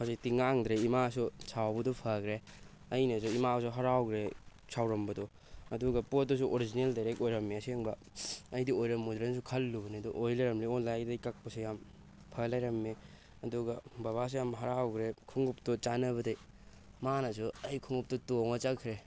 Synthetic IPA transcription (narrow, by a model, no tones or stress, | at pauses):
pʰasitiŋaŋdɾeimas̬ut͡ʃʰawbɐdɔpʰɐkɾe | ɐjnɐs̬uimasuɦɐɾawɡɾe | sʰawɾɐmbɐdɔ | ɐduɡɐpodɔs̬uʔoɾid͡ʒineldajɾek̚ojɾɐmːeɐsieŋbɐ | ɐjdiojɾɐmːudɾens̬ukʰɐlːubɐniɐdɔʔojlajɾɐmliɔnlajdɐjkak̚pɐsujam | pʰɐlajɾɐmːe | ɐduɡɐbaβas̬ujamɦɐɾawɡɾekʰuŋɡuptɔt͡ʃanɐβɐdej | manɐs̬uɐjkʰuŋup̚tɔtoŋɐt͡ʃakʰɾe